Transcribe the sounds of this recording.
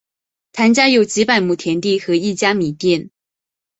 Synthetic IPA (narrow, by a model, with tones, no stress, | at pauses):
t̪ʰa˧˥nt͡ɕja˥jo˥˩ʊt͡ɕi˧˥pa˥˩ɪmu˥˩t̪ʰjɛ˧˥nt̪i˥˩xɤ˧˥i˥˩t͡ɕja˥mi˨˩t̪jɛ˥˩n